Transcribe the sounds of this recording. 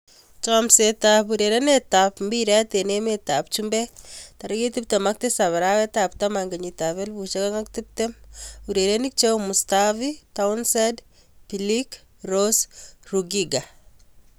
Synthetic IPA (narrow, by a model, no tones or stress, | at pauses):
t͡ʃɔmsetapuɾeɾenetapmbiɾatenemetap̚t͡ʃumbɛtaɾiketip̚temak̚tɪsaβaɾawetap̚tamaŋɡeɲitaβelbut͡ʃekaŋaktip̚temuɾeɾenik̚t͡ʃewmustavitaunsed | pilik | rosruɡiɡa